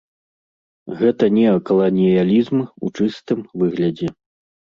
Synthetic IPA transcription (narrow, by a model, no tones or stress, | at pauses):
ɣɛt̪ɐnʲɛkɐlˠɐnʲijalʲizmṵt͡ʂɨst̪ɨmvɨɣlʲɐd͡zʲɛ